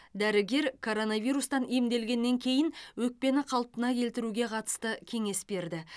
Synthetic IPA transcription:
d̪æɾɪɡʲe̞ɾkʰo̞ɾo̞navʲijɾust̪ɑnemd̪e̞lɡʲe̞nːe̞ŋkʲʰe̞jɪnwɵk̚pe̞nɪqʰɑlˠp̪ənɑkʲʰe̞lt̪ɪɾuɡʲe̞qʰɑt̪ə̥st̪əkʲʰe̞ŋe̞sbe̞ɾd̪ɪ

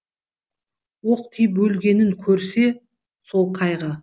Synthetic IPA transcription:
woqt̪ʰijp̬wɵlɡʲe̞nɪŋkʲʰɵɾse̞ | so̞lˠqʰɑjʁə

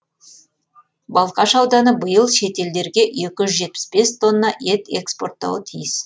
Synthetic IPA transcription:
bɑlˠqɑʃɑwd̪ɑnəbəjəlˠʃe̞t̪e̞ld̪e̞ɾɡʲe̞ʔe̞kʲɪʒʏzʒe̞t̪̚pɪ̥sbe̞st̪ʰo̞nːɑʔe̞t̪e̞kspo̞̰rt̪ːɑ̰wət̪ʰijɪs

